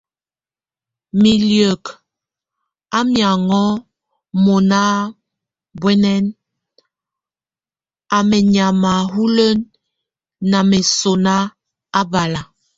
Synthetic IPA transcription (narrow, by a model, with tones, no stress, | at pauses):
mi˨ljə˨k | a˦mja˨ŋɔ˦ | mo˨na˦ | bwɛ˦nɛ˦n | a˨mɛ˨ɲa˨ma˨ɦu˦lə˦nː | a˨mɛ˨so˨na˦ | a˦ba˨la˨